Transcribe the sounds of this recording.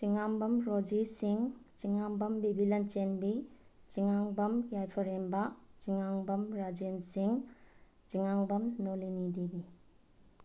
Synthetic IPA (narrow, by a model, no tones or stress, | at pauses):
t͡ʃiŋaŋbɐmɾod͡ʒisiŋt͡ʃiŋaŋbɐmbibʱilɐnt͡ʃenbi | t͡ʃiŋaŋbɐmjajpʰɐɾembat͡ʃiŋaŋbɐmɾad͡ʒensiŋ | t͡ʃiŋaŋbɐmnolinidibi